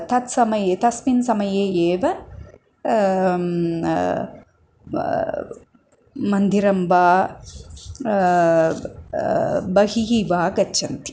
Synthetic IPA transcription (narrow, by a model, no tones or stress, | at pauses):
t̪ɐt̪sɐmɐjeːt̪ɐsminsɐmɐjeːeːʋɐ | mɐnd̪ʱiɾɐmbaː | bɐɦiɦiʋaːɡɐt͡ʃːʃʰɐnt̪i̥